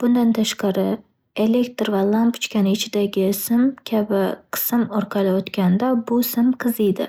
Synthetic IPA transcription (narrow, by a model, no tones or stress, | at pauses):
b̥ʊnd̪ant̪ʰaʃqɑɾɪ | ele̞kt̪ɾvalˠampʊ̥t͡ʃkʲanɪːt͡ʃʰɪd̪aɡʲɪsɪmkʲʰabɪqʰɨ̥sɨmɒɾqʰɑlˠɪot̪kʲʰand̪abʊsɪmqʰɨzid̪ɪ̰